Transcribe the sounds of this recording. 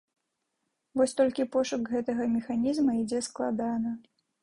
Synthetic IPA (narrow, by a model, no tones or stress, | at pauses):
vɔsʲt̪ɔlʲkʲipɔʂukɣɛt̪ɐɣɐmʲɛxanʲizmɐid͡zʲɛsklˠa̰d̪anɐ